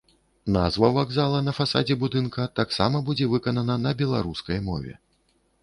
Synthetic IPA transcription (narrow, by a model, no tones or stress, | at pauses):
nazvɐvaɡzalˠɐnɐfasa̰d͡zʲɛbud̪ɨnkɐt̪aksa̰mɐbud͡zʲɛvɨkɐnɐnɐnɐbʲɛlˠa̰ɾuskɐjmɔ̰vʲɛ̰